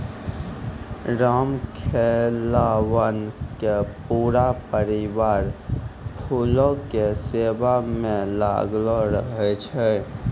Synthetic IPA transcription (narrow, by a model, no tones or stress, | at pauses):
ɾaːmkʰelawənkepuːɾapəɾɪwaːɾpʰulõkeseːbamẽla̰ːɡloɾəɦɛt͡ʃʰɛ